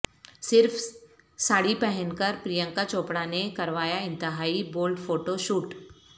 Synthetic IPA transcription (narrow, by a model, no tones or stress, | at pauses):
sɪɾf | saːɽipɛɦɛnkəɾpɾijə̃ŋkat͡ʃoːpɽanekɐɾʋaːjaɪ̃nt̪ɪɦaːiboːlɖfʰoːʈoʃuːʈ